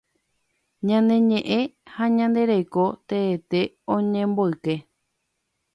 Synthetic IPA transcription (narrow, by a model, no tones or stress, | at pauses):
ɲãnd̪e̞ɲẽ̞ʔẽhaɲãnd̪e̞ɾajko̞t̪eːt̪e̞ | õɲẽmboɨke̞